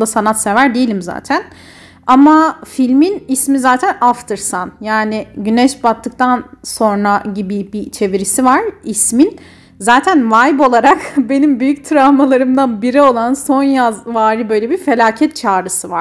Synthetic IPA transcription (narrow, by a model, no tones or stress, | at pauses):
asanat̪se̞væɾd̪ejilʲimza̰ːt̪ʰæn | amafilʲminismizaːt̪ʰænaft̪ʰɯɾsanjaːnɪɟynɛʃbat̪ʰːɯk̚t̪ʰanso̞nɾaɟibibit͡ʃʰe̞viɾisivaɾismin | zaːt̪ʰænvajbo̞lˠaɾakbe̞nimbyjyc̚t̪ʰɾamalˠaɾɯmd̪anbiɾio̞lˠanso̞njazvaːɾibø̞jlʲebife̞lʲaːcʰɛt̪̚t͡ʃʰaːɾɯsɯvaɾ̥